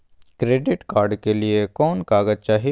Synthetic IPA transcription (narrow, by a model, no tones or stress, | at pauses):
kɾeːɖɪʈkaːɾɖkeliekɔːnkaːɡəd͡ʒ̚t͡ʃaːɦi